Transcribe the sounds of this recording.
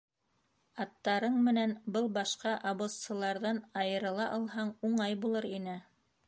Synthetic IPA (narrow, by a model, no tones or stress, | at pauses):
ɑt̪ːɑɾɤɴmɘ̆nænbɤlˠbɑʃqɑʔɑβost̪sɤ̆lˠɑɾðɑnɑjɤ̆ɾɤ̆lˠɑʔɑlˠɦɑɴuɴɑjbulˠɤɾinɘ